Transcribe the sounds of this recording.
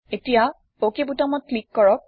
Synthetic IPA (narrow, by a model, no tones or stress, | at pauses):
etija | pokebutamɔt̚klikːɔɹɔk̚